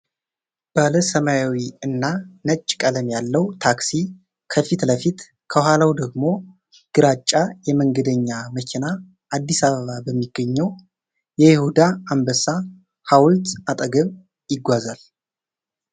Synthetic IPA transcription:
b̥aləsəmajawiɨnːanət͡ʃʼːkʼələmjalːəwt̪ʰaksi | kʰəfit̪ləfit̪ | kʰəhʷalawd̪əɡmo̞ | ɡ̥ɨɾat͡ʃʼːajɛməŋɡəd̪əɲːaməkʲʰina | ʔad̪ːisaβəβabəmːiɡ̥ːəɲːɛw | jɛjɪhud̪aambəsa | hawlt̪at̪ʼəɡəβ | jɪɡʷazal

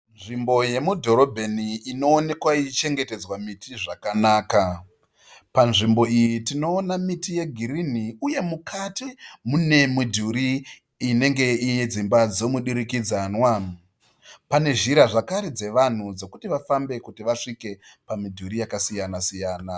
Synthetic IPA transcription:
nʐimbo̞je̞mudʱo̞ɾo̞bʱeniino̞ːne̞kwait͡ʃe̞ŋɡe̞te̞d͡zwamitiʐakanaːka | panʐimbo̞ijitino̞ːnamitije̞ɡʱiɾin̤iuje̞mukʰatimune̞midʱuɾiː | ne̞ŋɡe̞ijed͡zimbad͡zo̞muɗiɾikid͡zanwa | pane̞ʒiɾaʐakaɾid͡ze̞ʋan̤ud͡zo̞kutiʋafambe̞kutiʋaʂike̞pamidʱuɾijakasijanasijaːna

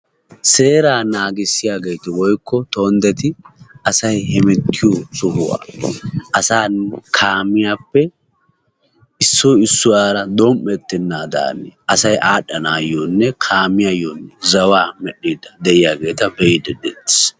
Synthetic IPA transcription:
seːɾaːnaːɡɪsːɪjaːɡejt̪ɛwɔjkːɔt̪oːnd̪ɛt̪ɪʔɐsɐjhɛmɛt̪ʰːɪjosʊhʊwa̰ːɐsaːnkʰaːmɪjaːpːɛ | ɪsːɔɪsːʊwaːɾɐd̪ɔmʔːɛt̪ːɪnːaːd̪a̰ːnːɛʔɐsɐjʔaːɗɐnaːjoːnːɛkʰaːmɪjajonːɛzɐwaːmɛɗːiːd̪ɐd̪ɛʔɪjaːɡe̞ːt̪ɐbɛɪd̪ɛd̪ɛt̪ːɪ̥s

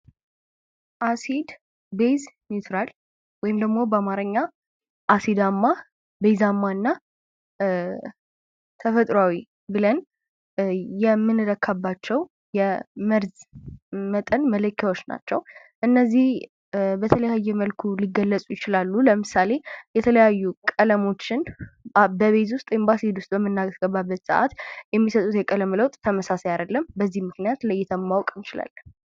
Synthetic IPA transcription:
ʔasid̪ | beznit̪ʰɾal | wɔjɪmd̪əɡmo̞bəamaɾəɲːa | ʔasid̪amːa | bejzamːaɨnːa | t̪ʰəfət̪ʼɾawi | bɨlən | jɛmːɨnɨɾəkʰːabːat͡ʃːɛw | jɛməɾz | mət̪ʼənmələkʰːawo̞t͡ʃːna̰t͡ʃːɛw | ʔɨnːəzːih | bət̪ʰələjajːɛməlkʰuliɡːəlːət͡sʼujɪt͡ʃɪlalːuləmɨsale̞jɛt̪ʰələjajːukʼələmo̞t͡ʃːɪn | bəβe̞t̪̬wʊst̪ʼembasid̪wʊst̪ʼbəmːɨnːaɡ̥əβːabːət̪sə̰ʔa̰t̪jɛmːisət̪ʼut̪jɛkʼələmləwt̪ʼt̪ʰːəməsasejad̪əlːəmbəzːihmɨknijat̪ləjːɛt̪ʰəmmːawkʼnt͡ʃɪla̰lːə

